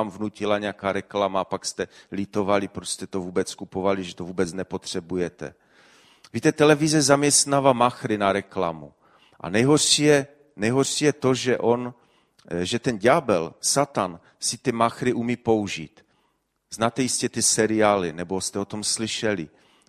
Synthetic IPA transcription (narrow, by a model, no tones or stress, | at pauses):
amvnucɪlaɲɛjakaːɾɛklamapakst̪ɛlit̪o̞valɪpɾost̪ɛt̪ovuːbɛt͡skupovalɪʒɛt̪ovuːbɛt͡snɛpo̞t̪r̝̥ɛbujɛt̪ɛ̰ | viːt̪ɛt̪ɛlɛvɪzɛzamɲɛst̪navamaxɾɪnaɾɛkla̰mṵ | ʔa̰nɛjɦorʃijɛ | nɛjɦorʃijɛt̪o̞ʒɛʔon | ʒɛt̪ɛnɟabɛlsat̪an | sɪt̪ɪmaxɾɪʔumiːpo̞uʒiːt̪ | znaːt̪ɛjiscɛt̪ɪsɛɾɪaːlɪnɛbo̞st̪ɛo̞t̪o̞mslɪʃɛlɪ